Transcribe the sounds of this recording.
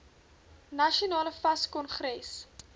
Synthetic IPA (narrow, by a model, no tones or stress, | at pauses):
nɐʃionɑːləfɐskɔnχɾɛs